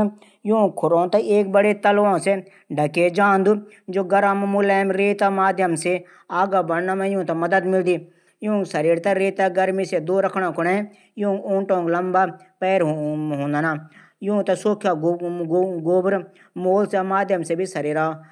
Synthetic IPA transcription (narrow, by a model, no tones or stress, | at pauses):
jũːkʰʊɾõːt̪aeːk̚bəɽet̪əlʋãːse | ɖʱəked͡ʒãːnd̪u | d͡ʒoːɡəɾəmmʊlɛːmɾeːt̪amaːd̪jəmse | aːɡaːbəɽnaːmɛ̃jũːt̪aməd̪əd̪mɪld̪iː | jũːsəɾiːɾt̪aɾeːt̪aɡəɾmiːsed̪oːɾəkʰɽãːkʰʊɽeː | jũːõːʈõːŋɡləmbaːpɛːɾɦɦõːnd̪anaː | jũːt̪asoːkʰjaɡɡoːbɾ | moːlsamaːd̪jəmseːbʱisəɾiːɾaː